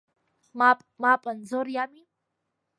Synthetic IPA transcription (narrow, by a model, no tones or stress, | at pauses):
mapʼmapʼand͡zoɾjami